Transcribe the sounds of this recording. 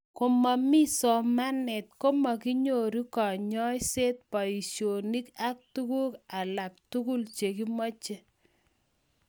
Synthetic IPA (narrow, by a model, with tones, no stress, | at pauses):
ko˨ma˨mi˦sɔ˨ma˦nɛ˨t̚ko˦ma˨ki˦ɲo˨ɾi˦kɔ˨ɲɔ˦jse˦t̚pa˨i˨sjo˨ni˦ka˦k̚tu˦ku˦ka˨la˨k̚tu˦ku˦lt͡ʃe˨ki˦mɔ˦t͡ʃe˦